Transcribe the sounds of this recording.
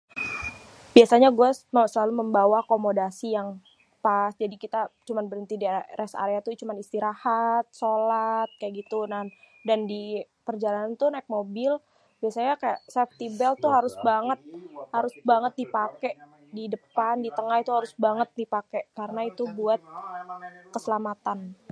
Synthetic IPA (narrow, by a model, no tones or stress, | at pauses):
b̥iasaɲaɡuasməsəlaluməmbawakomodasijaŋ | pasd͡ʒadikit̪at͡ʃumanbəɾənt̪idiɾɛsa̰ɾeat̪ut͡ʃumanist̪iɾahat̪̚solat̪̚kajaʔɡit̪unan | dandipərd͡ʒalanant̪unaɪk̚mobɪl | biasaɲakajaʔsɛf̚t̪ibɛlt̪uɦaɾʊsbaŋət̪̚haɾʊsbaŋət̪̚dipakɛʔ | didəpandit̪əŋahit̪uɦaɾʊsbaŋət̪̚dipakɛʔkaɾənait̪ubuat̪̚ | kəsəlamat̪an